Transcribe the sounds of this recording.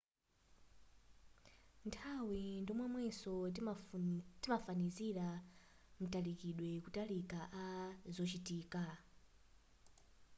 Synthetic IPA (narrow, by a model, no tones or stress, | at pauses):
ntʰawindimwɛmwɛsɔ | timafaniziɾa | mutalikiɗwɛkutalikaʔazɔt͡ʃitiːka